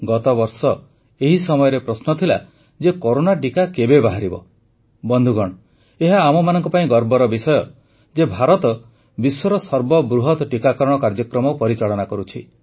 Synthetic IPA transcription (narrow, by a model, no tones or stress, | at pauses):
ɡɔt̪ɔbɔɾsɔ | eɦisɔmɔjɔɾepɾɔsnɔt̪ʰila | d͡ʒekɔɾonaʈikakebebaɦaɾibɔ | bɔnd̪ʱuɡɔɽ̃ɔ | eɦaːmɔmanɔŋkɔpaĩɡɔɾbɔɾɔbisɔjɔ | d͡ʒebʱaɾɔt̪ɔ | biswɔɾɔsɔɾbɔbɾuɦɔt̪ɔʈikakɔɾɔɽ̃ɔkaɾd͡ʒɔkɾɔmɔpɔɾit͡ʃaɭɔnakɔɾut͡ʃʰi